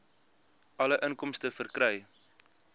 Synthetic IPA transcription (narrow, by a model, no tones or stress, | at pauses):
ʔɐləʔənkɔmstəfərkrəj